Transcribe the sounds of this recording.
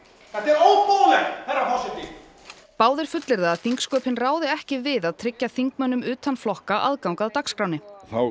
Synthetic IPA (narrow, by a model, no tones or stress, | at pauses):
θɛt̪ːɛɾowpowlɛxθɛrːapʰɔsɪt̪ɪ | paːwðɪɾ̥fʏt̪lɪɾðaːðθiŋkskœːpɪnraːwðɪɛhcɪvɪðaðt̪ʰɾɪcːaθiŋk̚mœnːʏmʏːt̪ʰanflɔhkaʔa̰ðkawŋkaðt̪akskɾawnɪθaw